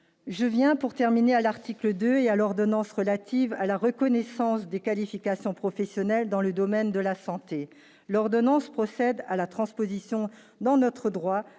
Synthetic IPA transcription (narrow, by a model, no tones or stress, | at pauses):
ʒəvjɛ̃puʁt̪ɛʁminealaʁt̪ikləd̪øealɔʁd̪ɔnɑ̃sʁəlat̪ʰivalaʁəkɔnɛsɑ̃sd̪ekalifikasjɔ̃pχɔfɛsjɔnɛld̪ɑ̃ləd̪ɔmɛnd̪əlasɑ̃t̪e | lɔʁd̪ɔnɑ̃spχɔsɛd̪alat̪χɑ̃spozisjɔ̃ | d̪ɑ̃nɔt̪χəd̪ʁwa